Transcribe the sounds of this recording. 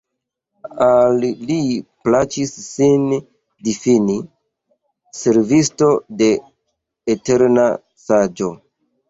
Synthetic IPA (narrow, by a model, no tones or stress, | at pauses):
alːiplat͡ʃisːin | difini | se̞ɾvisto̞de̞ː | te̞ɾna | sad͡ʒo̞